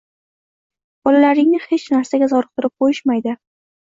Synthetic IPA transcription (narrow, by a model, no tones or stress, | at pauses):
b̥ɒlalaɾɪŋnɪhet͡ʃnaɾsaɡʲazɒɾɨq̚t̪ʰɪɾɪp̚qʰojɪʃmajd̪ɪ